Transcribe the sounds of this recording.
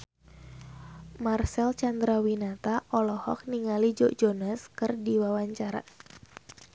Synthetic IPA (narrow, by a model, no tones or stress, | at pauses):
marsɛlt͡ʃand̪ɾawinat̪aʔɔlɔhɔk̚niŋalid͡ʒɔʔd͡ʒonaskɨrdiwawaɲt͡ʃaɾa̰